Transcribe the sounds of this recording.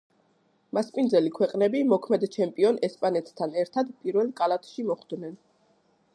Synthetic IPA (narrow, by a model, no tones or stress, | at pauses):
maspʼind̪zɛlikʰwɛqʼnɛbimɔkʰmɛd̪t͡ʃʰɛmpʼiɔnɛspʼanɛt̪ʰt̪ʰanɛɾt̪ʰad̪pʼiɾvɛlˠkʼalˠat̪ʰʃimɔχd̪nɛn